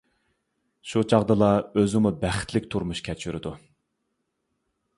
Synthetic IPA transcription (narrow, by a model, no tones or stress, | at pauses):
ʃut͡ʃʰɑʁd̪ɨlˠɑøzɪmubæχɪ̥t̪ʰlɪkʲt̪ʰuɾmuʃkʲʰɛt͡ʃʰyɾɪd̪u